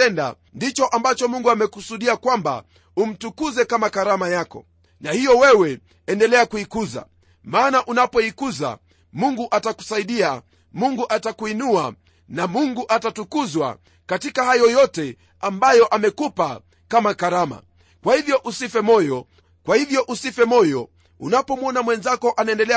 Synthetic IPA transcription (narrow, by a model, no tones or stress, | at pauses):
ɛnda̰ | ndit͡ʃɔʔambat͡ʃɔmuŋɡuamɛkusuɗiakwamba̰ | um̩tukuzɛkamakaɾamajakɔ̰ | nahijɔwɛwɛ | ɛndɛlɛakuikuza̰ | maːnaʔunapɔikuza̰ | muŋɡuʔataku̥saiɗia | muŋɡuʔatakuinua | namuŋɡuʔatatukuzwa̰ | katikahajɔjɔtɛ | ambajɔʔamɛkupa | kamakaɾama̰ | kwahivjɔʔusifɛmɔjɔ | kwahivjɔʔusifɛmɔjɔ | unapɔmɔnamwɛnzakɔʔanaɛndɛlɛ